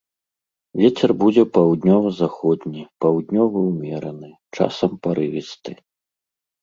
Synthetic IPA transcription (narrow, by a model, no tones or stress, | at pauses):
vʲet͡sʲɛrbud͡zʲɛpawd̪nʲɔvɐzaxɔd̪ʲnʲipawd̪ʲnʲɔvɐwmʲɛɾɐnɨ | t͡ʂa̰sɐmpaɾɨvʲist̪ɨ